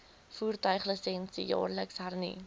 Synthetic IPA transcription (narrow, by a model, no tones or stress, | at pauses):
fuːrtœɥχləsɛnsijɑ̰ːrləksɦærnḭ